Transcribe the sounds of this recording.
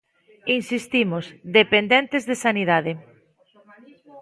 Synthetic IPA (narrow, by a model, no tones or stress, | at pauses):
insist̪imozðepend̪ent̪ezðesaniðaðe